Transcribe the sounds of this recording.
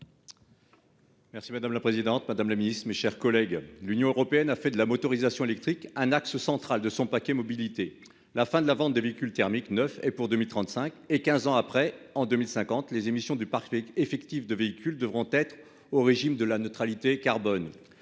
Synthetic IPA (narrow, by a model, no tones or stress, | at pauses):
mɛʁsimad̪amlapχezid̪ɑ̃t̪mad̪amlaminist̪χmeʃɛʁkɔlɛɡlynjɔ̃øʁɔpeɛnafɛd̪əlamɔt̪ɔʁizasjɔ̃elɛk̚t̪χikɛ̃naksəsɑ̃t̪χald̪əsɔ̃pakʲɛmɔbilit̪e | lafɛ̃d̪əlavɑ̃t̪̚d̪eveikʲylt̪ɛʁmiknœfɛpuʁd̪ømilt̪χɑ̃t̪sɛ̃kekʲɛ̃zɑ̃apχɛɑ̃d̪ømilsɛ̃kɑ̃t̪lezemisjɔ̃d̪ypaʁkefɛkt̪ifd̪əveikʲyld̪əvʁɔ̃t̪ɛt̪χ | oʁeʒimd̪əlanət̪χalit̪ekaʁbɔn